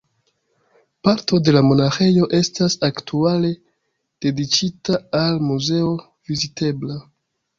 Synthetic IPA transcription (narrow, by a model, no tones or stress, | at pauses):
paɾto̞de̞lamo̞naxe̞jo̞ʔe̞stasaktʰuale̞ | d̥e̞dit͡ʃitaalmuze̞o̞ | vizite̞bla